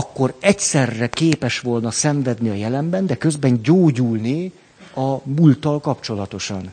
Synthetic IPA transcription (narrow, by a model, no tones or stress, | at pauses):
ɒkːo̞ɾɛcsɛrːɛkeːpɛʃʋo̞lnɒsɛɱvɛd̪niɒjɛlɛmbɛnd̪ɛkø̞zbɛɲɟoːɟulni | ɒmult̪ɒlkɒpt͡ʃo̞lɒt̪o̞ʃɒn